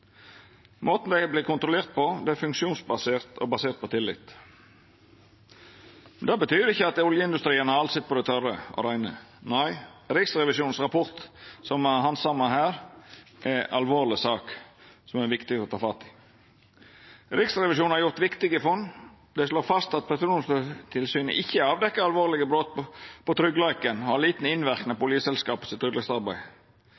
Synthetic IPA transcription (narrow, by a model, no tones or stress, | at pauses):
moːt̪n̩d̪ɛɪbliːkʊnt̪ɾʊleːɾt̪̚pɔd̪ɛæfʉŋkʃuːnsbɑseːɾt̪ʰɔ̰bɑseːɾt̪̚pʰɔt̪ʰɪlːɪ̰t̪ | mmɛnd̪ɑːbət̪ʰyːɾɪçːəɑt̪ʊljəɪnd̪ʉst̪ɾiːənəɑɾɑlsɛt̪̚pɔd̪ɛɪt̪ʰœɾəɔ̰ɾæɪnə̰næɪɾɪksɾɛʋɪʃuːn̩sɾɑpʰɔɾt̪sɔmɦɑnsɑmːɑɦæːɾʔɛɑ̰lʋoːʁlɪsɑːksɔmɛɛʋɪkt̪ɪɡəɾɔt̪ʰɑːfɑt̪ːɪ̥ | ɾɪksɾɛʋɪʃjuːnhɑɾjʊɾt̪ʋɪkt̪ɪɡəfɔn | d̪ɛsloːfɑst̪ɑt̪̚pʰɛsɾuːnstət̪ʰɪlsyːnə̰ʔɪçːəɑːʋd̪ɛkːəɾɑlʋoːɾlɪɡəbɾot̪pʰɔt̪ʰɾʏɡlɑɪkənɔhɑɾliːt̪nəɪnʋæɾknəɑpɔʊljəsɛlskɑːpə̥sɪt̪ʰɾʏɡlɑsɑɾbæɪ